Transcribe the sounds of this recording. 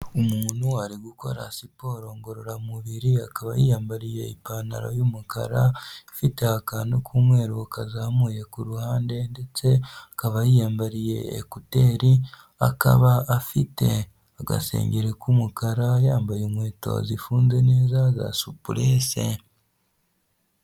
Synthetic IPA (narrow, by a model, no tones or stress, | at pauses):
omuːnuaɾiɡuko̞ɾasipo̞ːɾo̞ːŋɡo̞ɾoɾamuβiɾiakaβajijaːmbaɾije̞ḭpaːna̰ɾo̰juːmuka̰ɾafite̞akanukʰumwe̞ːɾokazaːmuje̞kuɾuhaːnde̞nde̞t͡se̞akaβajijaːmbaɾije̞̰ːkuteːɾi | a̰ka̰βaːfite̞ | aɡa̰sḛːɲɟeɾekumukaɾajaːmbajomwe̞ːto̞̰zifuːnze̞neːzaza̰supuɾeːsḛ